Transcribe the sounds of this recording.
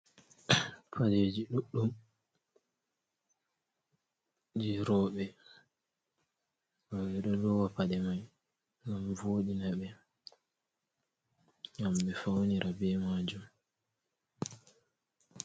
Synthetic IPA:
pʰaled͡ʒiɗuɗːum | d͡ʒiɾɔːɓɛ | waɓɛɗɔdɔwapaɗɛmaj | ŋɡamvoɗinɛɓɛ | ŋamɓɛfawniɾʔabɛmaːd͡ʒum

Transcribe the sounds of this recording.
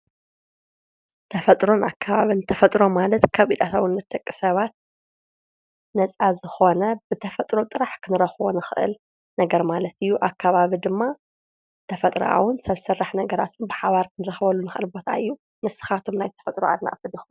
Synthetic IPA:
t̪ʰɐfɐt̪ʼɾo̞nakʰːaβaβint̪ʰɐfɐt̪ʼɾo̞malɐt̪kʰaβit̪ʰʼat̪ʰawɨnːɐt̪̚ʼɐkʼːɨsɐβat̪̚ | nɐt͡sʼazɨxo̞nɐbɨt̪ʰɐfɐt̪ʼɾo̞t̪ʼɨɾaħkʰɨnɨɾɐxβo̰nɨxɨ̰ʔɨ̰l | nɐɡɐɾmalɐt̪ɨjːuʔakʰːaβaβid̪ɨmːa | t̪ʰɐfɐt̪ʼɾɐ̰ʔa̰wʊnsɐβsɨrːaħnɐɡɐɾa̰t̪ʰɨnbɨħaβaɾkʰɨnɨɾɐxβɐlːunɨxʔɨlbo̞t̪ʰa̰ɨjːu | mɨsɨ̥xat̪ʰomnajt̪ʰɐ̥fɐt̪ʼɾoa̰d̪na̰ʔʼfɨdix

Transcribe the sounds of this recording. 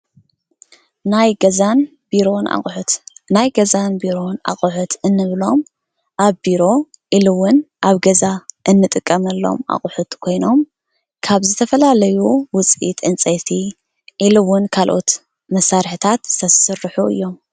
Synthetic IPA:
najɡɐzan | b̥iɾo̞na̰ħt̪najɡɐzanbiɾo̞na̰χʼuħut̪ʰɨnːɨβlo̞m | ʔaβbiɾo̞ | ʔilɨwʊnʔaβɡɐzaʔɨnːɨt̪ʼɨkʼːɐmɐlːo̞̰mʔa̰χʼʊħut̪kʰo̞jno̞m | kʰaβzɨt̪ʰɐfɐlalɐjuwʊt͡sʼḭt̪ʰʔɨnt͡sʼɐt̪ʰi | ʔilɨwʊnkʰalʔo̞̰t̪ | mɐsaɾħt̪ʰat̪sʰɐɨrːɨħuɨ̰jːo̞m

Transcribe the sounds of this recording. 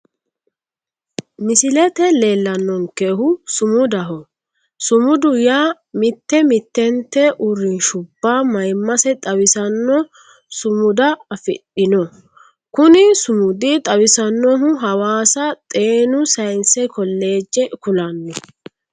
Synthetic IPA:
mɪsɪlɛt̪ɛle̞ːlːɐnːɔŋkeɦʊsʊmʊd̪ɐɦɔ | sʊmʊd̪ʊjaː | mɪt̪ːɛmɪt̪ːɛnt̪ːɛʔʊɾɪnʃʊbːaːmɐjmːɐsɛt̪ʼɐwɪsɐnːɔ | sʊmʊd̪ɐɐfɪ̰ɗːɪnɔ | kʊnɪsʊmʊd̪ɪt̪ʼɐwɪsɐnːɔɦʊɦɐwaːsɐt̪ʼe̞ːnʊsɐjnsɛkɔlːe̞ːd͡ʒːɛkʊlɐnːɔ

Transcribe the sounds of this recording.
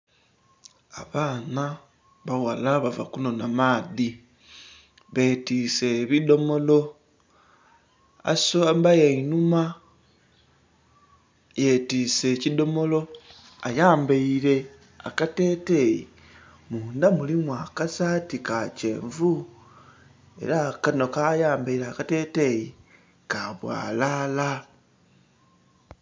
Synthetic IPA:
a̰βaːna | βawalaβava̰kuno̞namaːði | βe̞tiːse̞βido̞mo̞lo̞ | a̰soambajainuma | jetise̞ːcido̞mo̞lo̞ | ajaːmbaiɾe̞ | a̰katetejḭ | muːndamulimwakasatikace̞̰ːɱvu | e̞̰ɾakanokajaːmbaiɾakate̞ːte̞ji | kaβwa̰ːlaːla

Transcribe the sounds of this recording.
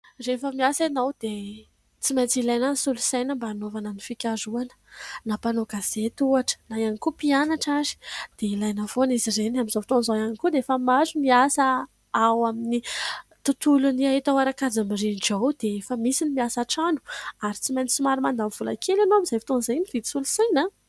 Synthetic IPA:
refəmiasenawd̪̥e | t͡simajt͡silajnansulusajnəmbaːnovanənifikʲaɾuanə̥napanoɡazet̪uaʈ͡ʂə̥najanikupianaʈ͡ʂazi̥d̪̥eilajnəfonizirenaminzofit̪onzaanikud̪eefəmazumiasə | awaminit̪ut̪uluniaɦit̪awaɾakad͡zamirinʈ͡ʂawd̪̥eefəmisinimiasaʈ͡ʂanu̥aɾit͡simajni̥t͡simaɾimand̪amv̥ula̰kʰelanoamizajfit̪onzajnivid̪i̥sulusajna

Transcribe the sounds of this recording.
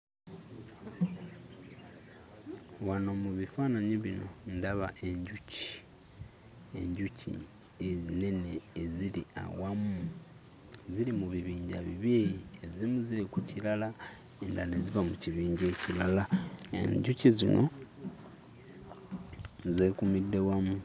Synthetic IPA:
wano̞muβifaːnaɲiβino̞ndaβaʔe̞ɲɟuci̥ | e̞̰ɲɟucʰḭ | ene̞ne̞ːzilia̰wamu | ziɾimuβiβiːɲɟaβḭβjejiezimuziɾikucilala | endane̞ziβamuciβiːɲɟe̞cilalaḛɲɟucizino | zekumidːe̞wamu

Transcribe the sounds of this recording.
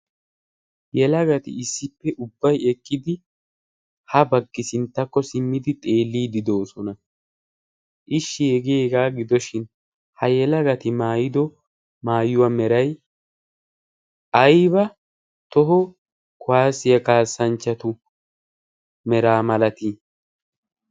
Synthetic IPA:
jɛlɐɡɐt̪ɪ̰ɪsːɪpːɛʔʊbːɐjɛkʼːɪd̪ɪ | hɐbɐɡːɪsɪnt̪ːɐkːɔsɪmːɪd̪ɪt̪ʼe̞ːlːiːd̪ɪd̪o̞ːsɔnɐ | ʔɪʃːɪɛɡeːɡaːɡɪd̪ɔʃɪn | hɐjɛlɐɡɐt̪ɪmaːjɪd̪ɔ | maːjʊwamɛɾɐj | ʔɐjbɐ | t̪ɔɦɔ | kʊwaːsɪjɐkaːsːɐnt͡ʃːɐt̪ʊ | mɛɾaːmɐlɐt̪ɪ

